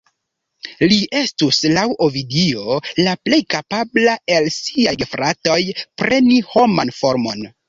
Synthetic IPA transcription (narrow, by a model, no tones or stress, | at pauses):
liʔe̞stuslawʔovidio̞laple̞jkapablae̞lsiajfɾato̞jpɾe̞niho̞manfo̞ɾmo̞n